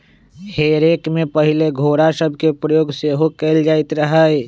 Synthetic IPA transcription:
heːɾeːkmẽpəɦɪleɡʱoːɾasəbʱkepɾəjoːɡseːɦokeːld͡ʒaːɪt̪ɾəɦə

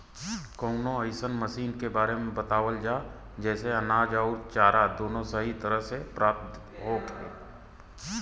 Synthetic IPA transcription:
koʊnõəɪsənməʃiːnkebaːɾemẽbɐt̪aːwəld͡ʒaː | d͡ʒɛːseɐnaːd͡ʒɔːɾt͡ʃaːɾad̪oːnõsəɦit̪əɾəɦsepɾaːp̚t̪ | ɦoːɡḛː

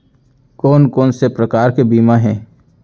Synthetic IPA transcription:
kɔːnkɔːnsepɾəkaːɾkebiːmaɦɛ̃ː

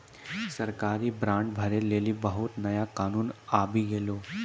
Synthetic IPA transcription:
səɾkaːɾiːbɾãɳʈbʱəɾelelibəɦut̪nɐjakaːnuːnabʱiɡelo

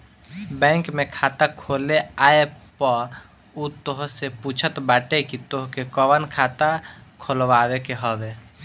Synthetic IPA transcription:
bɛ̃ːŋkmekʰat̪akʰoːleaːepə | ut̪oɦseput͡ʃʰət̪baːʈekit̪oɦkekɔwənkʰat̪akʰolʋawekeɦɔʋe

